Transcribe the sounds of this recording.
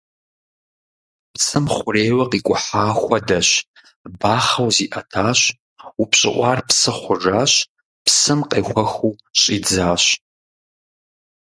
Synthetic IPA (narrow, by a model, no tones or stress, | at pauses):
psɨmχʷʊreːwɐqiːkʷʼʊħaːxʷɐdɐɕ | baːχɐwziːʔɐtʰaːɕ | upɕʼɪ̰ʔʷʼɑːrpsɨχʷʊʐaːɕ | psɨmqʼeːxʷɐxuː | ɕʼiːd͡zaːɕ